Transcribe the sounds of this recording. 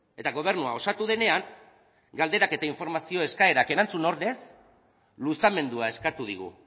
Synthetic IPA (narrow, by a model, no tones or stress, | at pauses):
e̞t̪aɣo̞β̞e̞ɾnuao̞sat̪uð̞e̞ne̞aŋ | ɡald̪e̞ɾake̞t̪aiɱfo̞ɾmasio̞e̞skae̞ɾake̞ɾant͡suno̞ɾðe̞s | lusame̞nd̪uae̞skat̪uð̞iɣ̞ṵ